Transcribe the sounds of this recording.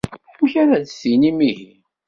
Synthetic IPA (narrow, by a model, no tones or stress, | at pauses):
ħmçaɾæðsinimihi